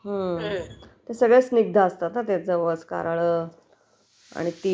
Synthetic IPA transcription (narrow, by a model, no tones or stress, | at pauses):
ɦə | t̪esəɡɭesniɡ̚d̪ʱaːst̪at̪nat̪at͡səʋəska̰ɾaɭə | a̰ɽ̃it̪i